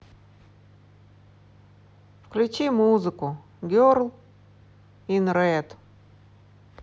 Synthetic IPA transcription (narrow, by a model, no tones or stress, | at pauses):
fklʲut͡ʃimuzɨkʊ | ɡʲorlˠ | inɾɛt̪